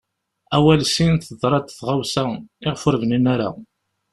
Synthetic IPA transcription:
æwælsinθəðˤɾˤɑd̪θʁawsæɪʁfʊɾvəninaɾa̰

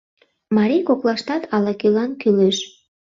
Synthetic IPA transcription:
mɑɾijkoklɑʃt̪ɑt̪ʰɑlɑkylɑnkyleʃ

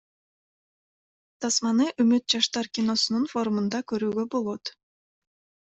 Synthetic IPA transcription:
t̪ɑsmɑnɯʔɵmyt̪̚d͡ʒɑʃt̪ɑɾkʲino̞sununfo̞ɾumund̪ɑkøɾyːɡøbo̞lˠo̞t̪

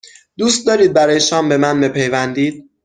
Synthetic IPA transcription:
d̪̥uːst̪̚d̪ɒːɾiːd̪̚bæɾɒːjeʃɒːmbe̞mænmepʰejvænd̪iːd̪̥̚

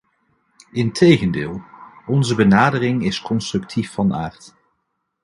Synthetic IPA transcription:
ɪntʰejχəndɪ̰ːlˠɔnzəbənaːdərɪŋɪskɔnstrɵktʰifːɑna̰ːɹt

